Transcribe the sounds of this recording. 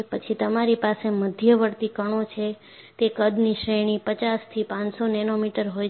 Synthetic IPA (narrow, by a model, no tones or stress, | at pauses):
pət͡ʃʰit̪əmaɾipaseməd̪ʱjəʋəɾt̪ikəɳ̃ot͡ʃʰe | t̪ekəd̪niʃɾeɽ̃ipət͡ʃast̪ʰipãnsonɛnomiʈəɾɦoj